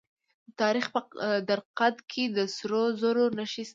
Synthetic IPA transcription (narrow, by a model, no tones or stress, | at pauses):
ət̪ɑɾixpəd̪aɾqad̪kʰed̪əsɾozoɾonaʃis